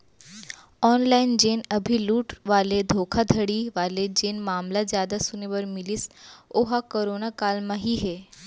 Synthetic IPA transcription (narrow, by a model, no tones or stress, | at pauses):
ɔːnlaːɪnd͡ʒeːnɐbʱiluːʈʋaːled̪ʱoːkʰad̪ʱəɽiʋaːled͡ʒeːnmaːmlazjaːd̪asʊneʋɐɾmɪlisoɦakoɾoːnakaːlmãɦiɦeː